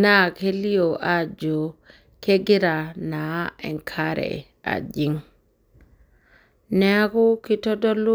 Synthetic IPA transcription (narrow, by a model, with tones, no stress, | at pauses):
na˦ke˦li˦o˨ʔa˦d͡ʒo˨ | ke˦ɡi˦ɾa˨na˨ɛ̰˨ŋkʰaɾɛ̰˨ | a̰˨d͡ʒiŋ | nɛ˦a˦ku˦ki˦tɔ˦dɔ˦lu˦